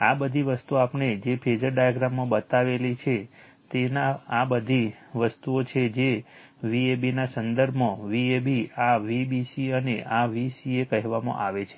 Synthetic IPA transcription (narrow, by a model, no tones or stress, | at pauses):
abəd̪ʱiʋəst̪uapned͡ʒepʰed͡ʒəɾɖajəɡɾamːãbət̪aʋelit͡ʃʰe | t̪enaːbəd̪ʱiʋəst̪uot͡ʃʰed͡ʒe | ʋiebinasənd̪əɾbʱõʋiebiaʋibisiəneʔaʋisiekəɦɛʋamã̰ʔaʋet͡ʃʰe̥